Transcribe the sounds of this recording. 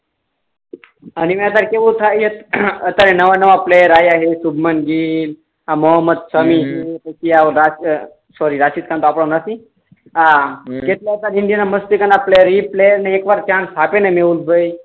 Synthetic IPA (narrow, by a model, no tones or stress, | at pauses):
animɛat̪̬aɾkeʋut̪ʰajet̪ət̪aɾenəʋanəʋaplejəɾajaɦesubʱmənɡiːl | ɦamɔɦəmːət̪səmiɦek̪əkiaɾa | sɔɾiːɾasit̪̚kant̪oapɽamnasĩ | aket̪laat̪aɾind̪ijanaməst̪ikanaplejəɾiplejəɾnaekʋaɾt͡ɕansʰapenameulbəj